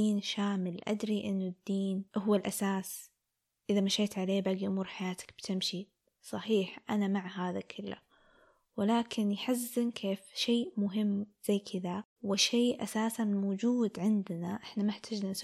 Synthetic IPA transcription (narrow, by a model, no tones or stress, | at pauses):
iːnʃaːmɪlʔa̰d̪ɾiʔɪnːʊd̪ːiːnʔɦʊwalʔasaːs | ʔɪðamaʃeːt̪ʕaleːbaːɡiʔʊmuːɾħajaːt̪ḁkb̥t̪ɪmʃi | sˤɑħiːħʔanamaʕɦaːðakʰɪlːa̰ | wɪlaːkʰɪnjħazːɪnkʰeːfʃeːʔmʊɦɪmːz̥ajːkʰɪd̪a | wɪʃeːʔasaːsanmoːd͡ʒuːd̪ʕɪnd̪naʔɪħnamaɪħt̪ʰad͡ʒnans